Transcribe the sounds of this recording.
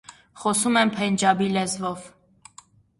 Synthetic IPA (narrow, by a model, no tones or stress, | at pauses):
χɔsumɛmpʰɛnd͡ʒɑbilɛzvɔv